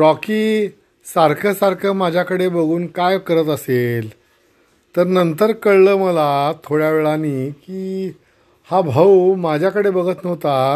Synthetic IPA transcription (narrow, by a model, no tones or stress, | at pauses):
ɾɔkiː | saɾkʰəsaɾkʰəmad͡ʑʱjakəɽebəɡuːnkajkəɾət̪əsel | t̪əɾnənt̪əɾkəɽləːməlat̪ʰoɽjaʋeɭaniːkiː | habʱəwmad͡ʑʱjakəɽebəɡʱət̪nəʋt̪a